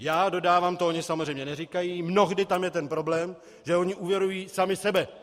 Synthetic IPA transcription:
jaːdo̞daːvaːmt̪ooɲɪsamozr̝ejmɲɛnɛrikajiːmno̞ɣdɪt̪amjɛt̪ɛnpɾo̞blɛːm | ʒɛo̞ɲɪʔuvjɛɾujiːsamɪsɛbɛ

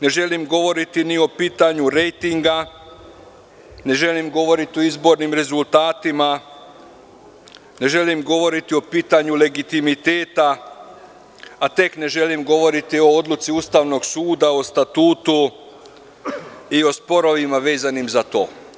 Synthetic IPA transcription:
ne̞ʒe̞limɡo̞ʋo̞ɾit̪inio̞piːt̪aɲuɾe̞jt̪iŋɡa | ne̞ʒe̞limɡo̞ʋo̞ɾit̪io̞izbo̞ɾnimɾe̞zult̪aːt̪ima | ne̞ʒe̞limɡo̞ʋo̞ɾit̪io̞piːt̪aɲule̞ɡit̪imit̪eːt̪a | t̪e̞kne̞ʒe̞limɡo̞ʋo̞ɾit̪io̞o̞d̪lut̪siust̪aʋno̞ɡsuːd̪ao̞st̪at̪uːt̪u | io̞spo̞ɾo̞ʋimaʋe̞ːzanimzat̪o̞̰ː

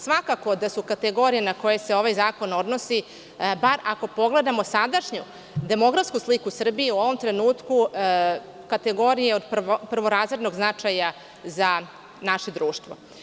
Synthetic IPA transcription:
sʋakako̞d̪asukat̪eɡo̞ɾijenako̞je̞se̞o̞ʋajzaːko̞no̞d̪no̞si | baɾako̞po̞ɡle̞d̪amo̞sad̪aʃɲu | d̪e̞mo̞ɡɾafskuslikusr̩biiuo̞ʋo̞mt̪ɾe̞nuːt̪ku | kat̪eɡo̞ɾijeod̪popr̩ʋo̞ɾazed̪no̞ɡznat͡ʂaja | za | naʃe̞d̪ɾuːʃt̪ʋo

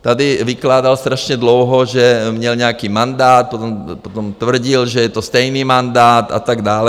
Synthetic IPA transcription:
t̪ad̪iʋiklaːd̪alst̪ɾaʃɲɛd̪lɔʊɦɔʒɛmɲɛlɲɛakiːmand̪aːt̪̚pɔt̪ɔmpɔt̪ɔmt̪ʋr̩ɟilʒɛjɛt̪ɔst̪ɛjniːmand̪aːt̪a̰t̪aɡd̪aːlɛ

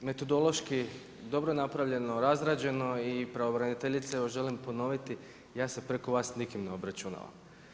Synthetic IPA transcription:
me̞t̪o̞d̪o̞lˠo̞ʃki | d̪o̞bɾonapɾaʋʎe̞noɾazɾaːd͡ʑe̞no̞ipɾaʋobɾanit̪eʎit̪seeʋoʒe̞limpo̞no̞ʋit̪i | jaːsepɾeko̞ʋaːsnikimneo̞bɾat͡ʃuna̰ːʋa̰m

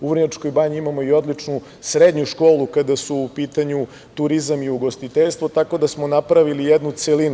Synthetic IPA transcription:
uʋr̩ɲat͡ʂko̞jbaɲiimamo̞io̞d̪lit͡ʂnu | sɾed̪ɲuʃko̞ːlˠukad̪asuːpiːt̪aɲu | t̪uɾizamiuɡo̞st̪it̪eʎst̪vʋo̞t̪ako̞d̪asmo̞napɾaʋilijed̪nut̪selinu

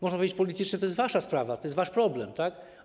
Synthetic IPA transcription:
mɔʐnapɔvʲed͡ʑet͡ɕʲpɔlʲit̪ɘt͡ʂɲɛt̪ɔjɛst̪vaʂaspɾavat̪ɔjɛsvaʂpɾɔblɛmt̪ak

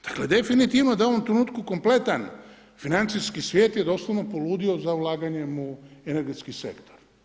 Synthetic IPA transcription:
d̪̥ḁkle̞d̪e̞finit̪iʋno̞d̪aoʋomt̪ɾenuːt̪kuko̞mple̞t̪an | finant̪siskisʋje̞ːt̪jed̪o̞slˠoʋnopoluːd̪io̞zaulˠaːɡaɲe̞muene̞ɾɡet̪skisḛkt̪oɾ

